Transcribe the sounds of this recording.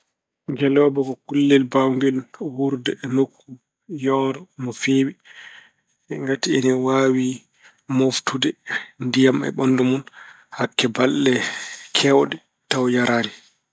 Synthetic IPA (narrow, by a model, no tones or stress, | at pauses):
ɡɛlɔbɔkɔkulːɛlbawŋɡɛlhuɾdɛnokːu | jɔːɾɔmɔfeːwi | ŋɡatiɛnɛwaːwi | moftudɛndijamɛ̰ɓɔndɔmun | hakːɛbalːɛkʰɛwɗɛ | tawjaɾʔaːni